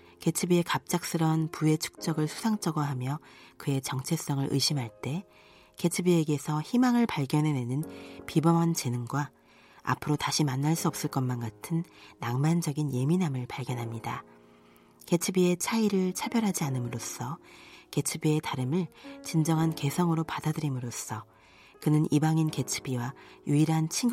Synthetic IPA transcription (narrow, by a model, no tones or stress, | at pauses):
ke̞t͡ɕʰɯbie̞kap̚t͡ɕ͈ak̚s͈ɯɾʌnpue̞t͡ɕʰu̥k̚t͡ɕ͈ʌɡɯɭsʰu̥sʰaŋt͡ɕ͈ʌɡʌɦamjʌkɯe̞t͡ɕʌŋt͡ɕʰe̞s͈ʌŋɯɾʔɯ̰jɕʰimɦaɭt͈e̞ | ke̞t͡ɕʰɯbie̞ɡe̞sʰʌçimaŋɯɭpaɭɡjʌnɦe̞nwe̞nɯnpibʌmʌnt͡ɕenɯŋɡwa | a̰pʰɯɾotaɕʰimanːaɭs͈uʌp̚s͈ɯɭk͈ʌnmanɡatʰɯnːaŋmand͡ʑʌɡinje̞minamɯɭpaɭɡjʌnɦamɲida | ke̞t͡ɕʰɯbie̞t͡ɕʰaiɾɯɭt͡ɕʰabjʌɾɦad͡ʑianɯmɯɾos͈ʰʌke̞t͡ɕʰɯbie̞taɾɯmɯɭt͡ɕind͡ʑʌŋɦanke̞sʰʌŋɯɾopadadɯɾimɯɾos͈ʰʌ | kɯnɯnʔibaŋinke̞t͡ɕʰɯ̥biwajuiɾɦant͡ɕʰi